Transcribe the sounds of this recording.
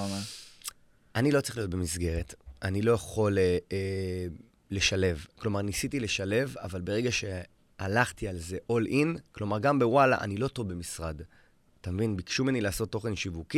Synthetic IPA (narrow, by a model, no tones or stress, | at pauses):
ma | ʔanilo̞t͡siχlijot̚bemisɡe̞ʁetʔanilo̞jaχo̞le | le̞ʃale̞vklo̞maʁnisitile̞ʃale̞va̰valbe̞ʁe̞ɡaʃe̞ | alaχtialze̞ʔo̞lʔinklo̞maʁɡambe̞wala̰ʔa̰nilo̞to̞vbe̞misʁad | atamevinbikʃumenilaːso̞tːo̞χe̞nʃivuki